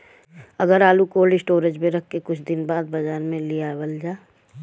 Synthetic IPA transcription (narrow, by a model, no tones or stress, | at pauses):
ɐɡəɾaːlukoːlɖɪsʈoːɾed͡ʒmẽɾɐkʰkekʊt͡ʃʰd̪ɪnbaːd̪̚bɐd͡ʒaːɾmẽlijabəld͡ʒaː